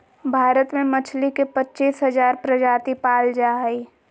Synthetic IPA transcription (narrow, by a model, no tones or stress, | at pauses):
bʱaːɾət̪mẽmət͡ʃʰlikepətːt͡ʃiːsɦəzaːɾpɾəd͡ʒaːt̪ipaːld͡ʒaːɦi